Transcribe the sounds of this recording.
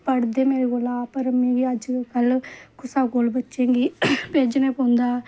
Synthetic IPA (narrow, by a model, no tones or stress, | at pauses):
pəɽd̪eːmeːɾeːkoːlaːpəɾmẽːɡiəd͡ʒkəlkʰʊsaːkoːlbətːʃẽːŋɡiːpeːd͡ʒnẽːpõːnd̪aː